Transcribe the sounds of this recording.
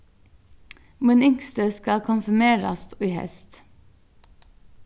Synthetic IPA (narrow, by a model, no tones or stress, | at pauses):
mʉnʏŋkst̪əskɑlkʰʊnfʉmeːɾɑ̰st̪yːhɛ̰st̪